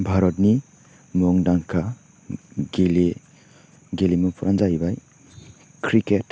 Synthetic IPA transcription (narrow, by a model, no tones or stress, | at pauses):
bʱaɾɔtni | mɔŋdaŋkʰa | ɡile | ɡelimupʰuɾʔanzajbaj | kʰɾiket